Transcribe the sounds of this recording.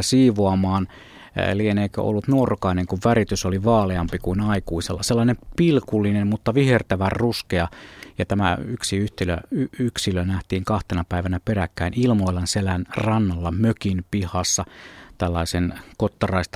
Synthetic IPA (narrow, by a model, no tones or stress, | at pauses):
siːʋoɑmɑːn̰ | lieneikø̰ʔo̰lːut̪nuorokɑineŋkuʋʋærit̪ysoliʋɑːleɑmpikuinɑikuisḛlːɑselːɑinempilkulːinemmut̪ːɑʋihert̪æʋærruskeɑjɑt̪æmæ̰yksiyht̪ilø̰yyksilønæht̪iːŋkɑht̪enɑpæiʋænæperækːæinilmoilɑnselænrɑnːɑlːɑmøkinpihɑsːɑt̪ælːɑisenkot̪ːɑrɑist̪